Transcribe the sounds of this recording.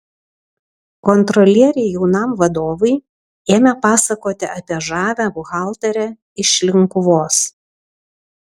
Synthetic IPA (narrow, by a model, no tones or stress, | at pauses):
kɔnt̪ɾɔlʲiɛɾʲɛɪjɛʊnɐmʋɐd̪oːʋɐɪ | eːmʲɛpɑːsɐkoːt̪ʲɪʔɐpʲiɛʒɑːʋʲæːbʊɣɑˑlˠt̪ɐɾʲɛ | ɪʃʲlʲɪŋˑkʊʋoːs